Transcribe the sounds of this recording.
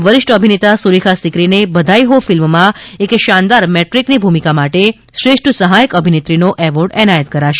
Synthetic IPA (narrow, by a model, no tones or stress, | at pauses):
ʋəɾɪʃʈəbʱinet̪asuɾikʰasikɾinebəd̪ʱaiɦofɪlmmãekʃãnd̪aɾmɛʈɾiknibʱumikamaʈe | ʃɾeʂʈʰəsəɦajəkəbʱinet̪ɾinoʔɛʋəɾɖɛnajət̪̚kəɾaʃe